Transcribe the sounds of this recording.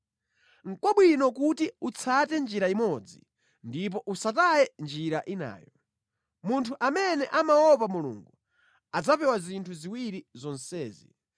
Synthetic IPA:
ŋ̩kwɔɓwinɔkutiut͡sʰatɛnd͡ʒiɾaimɔd͡zḭ | ndip̬ɔʔusatajɛnd͡ʒiɾaʔina̰ːjɔ | muntʰuʔamɛnɛʔamawɔp̬amulṵŋɡu | ad͡zapɛwazintʰuziwiɾizɔnsɛːzḭ

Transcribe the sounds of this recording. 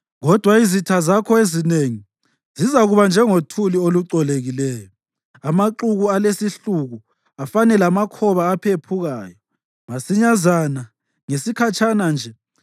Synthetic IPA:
ɣɔd̥ʱwaizitʰazakʰɔezineŋi | zizaɣuβand͡ʒʱɛŋotʰulioluǀɔleɣilɛːjɔ | amaǃuɣualesiɬuɣu | afanɛlamakʰɔβaːpʰepʰuɣaːjɔ | masiɲazana | ŋesikʰat͡ʃʰʼanand͡ʒʱɛ

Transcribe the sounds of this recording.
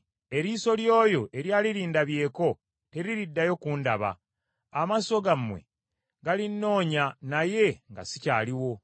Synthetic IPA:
e̞ɾiːsoljo̞ːjo̞ʔe̞ɾjaːliɾiːndaβje̞ːko̞ | te̞ɾiɾidːajo̞kundaβa̰ | amaso̞ɡamːwe̞̰ | ɡalinːo̞ːɲanaje̞ŋɡa̰sicaːliwo̞

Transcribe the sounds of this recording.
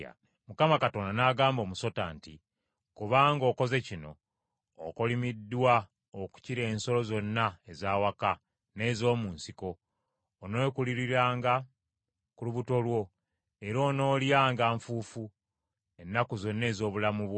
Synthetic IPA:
mukamakato̞ndanaːɡaːmbo̞ːmuso̞ta̰ːnti | kuβaːŋɡo̞ːko̞ze̞cino̞̰ː | kolimidːwa | oku̥ciɾe̞ːnso̞lo̞zo̞nːaezaːwaka | ne̞ːzo̞ːmuːnsiko̞ː | no̞kuliɾiɾaːŋɡa | kuluβuto̞lwo̞ | e̞ɾoːno̞ːljaːŋɡaɱfuːfu | e̞nːakuzo̞nːe̞ːzo̞ːβulamuβwo

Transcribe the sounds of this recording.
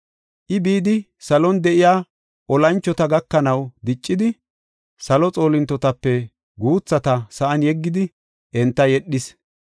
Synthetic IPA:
ʔɪbiːd̪ɪ | sɐlɔnd̪ɛʔɪjaː | ʔɔlɐnt͡ʃːɔt̪ɐɡɐkːɐnɐwd̪ɪt͡ʃʼːɪd̪ɪ | sɐlɔt͡sʼo̞ːlɪnt̪ːɔt̪ɐpːɛ | ɡuːt͡sːɐt̪ɐsɐʔɐnjɛɡːɪd̪ɪ | ʔɛnt̪ːɐjɛɗːɪs

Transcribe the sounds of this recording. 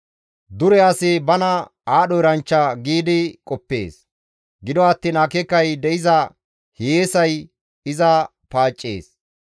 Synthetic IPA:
d̪ʊɾɛɐsɪbɐnɐ | aːɗɔjɪɾɐnt͡ʃːɐɡiːd̪ɪkʼɔpːḛːs | ɡɪd̪ɔɐt̪ːiːnɐkɛkːɐjd̪ɛɪzɐ | hejeːsɐj | ɪzɐ | paːt͡ʃʼːḛːs

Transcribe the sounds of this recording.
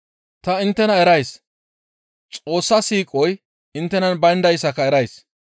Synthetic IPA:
t̪ɐɪnt̪ːɛnɐɛɾɐjs | t͡sʼo̞ːsːɐsiːkʼɔj | ɪnt̪ːɛnɐnbɐnd̪ɐjsɐkɐɛɾɐjs

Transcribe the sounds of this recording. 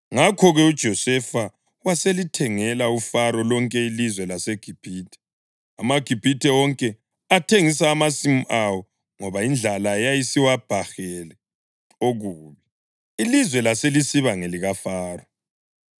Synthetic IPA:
ŋakʰɔɣɛud̥ʒ̥ʱɔsɛfa | waselitʰɛŋɛlaufaɾɔlɔŋkʼɛilizwɛlaseɡ̥ʱib̥ʱiːtʰɛ̥ | amaɡ̥ʱib̥ʱitʰʼɛwɔŋkʼɛ | atʰeŋisaːmasimuʔawɔ | ŋɔβaind͡ɮʱalajajisiwab̥ʱaxɛlɛ | oɣuːβi | ilizwɛlaselisiβaŋeliɣafaːrɔ

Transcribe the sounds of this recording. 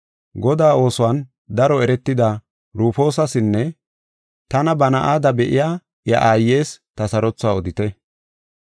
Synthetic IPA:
ɡɔd̪aːo̞ːsʊwan | d̪ɐɾɔɛɾɛt̪ːɪd̪a | ɾuːfo̞ːsɐsɪnːɛ | t̪ɐnɐbɐnɐʔaːd̪ɐbɛʔɪjaː | jɐ̰ʔaːjːe̞ːst̪ɐsɐɾɔt͡sːʊaːɔd̪ɪt̪ɛ

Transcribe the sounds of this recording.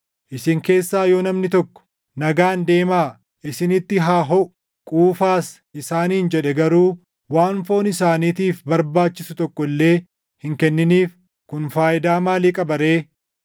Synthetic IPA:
ʔɪsɪŋke̞ːsːaːjo̞ːnɐmnɪt̪ɔkːɔ̥ | nɐɡaːnd̪e̞ːmaː | ʔɪsɪnɪt̪ːɪɦaːɦɔʔʊ̥ | kʼuːfaːs | ʔɪsaːniːnd͡ʒɛᶑɛɡɐɾuː | waːnfo̞ːnɪsaːniːt̪iːfbɐɾbaːt͡ʃːɪsʊt̪ɔkːɔlːe̞ː | hɪŋkɛnːɪniːf | kʊnfaːjɪd̪aːmaːliːkʼɐbɐɾe̞ː

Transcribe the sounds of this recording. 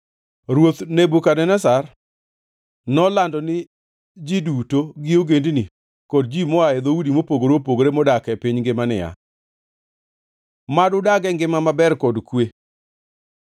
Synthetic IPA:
ɾwot̪nebukadɛnɛsar | nɔlandɔnɪ | d͡ʒidutoɡɪoɡendni | kɔd̚d͡ʒimɔaɛd̪oudimopoɡoɾopoɡoɾemɔdakɛpɪɲŋɡɪmanɪ̰ja̰ | madʊdaɡɛŋɡɪmamabɛrkɔdkwe

